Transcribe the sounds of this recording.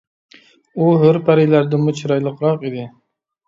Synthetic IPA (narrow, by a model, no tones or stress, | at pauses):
uɦøɾpæɾɪlæɾd̪ɪmut͡ʃʰiɾɑjlˠəqɾɑqid̪ɪ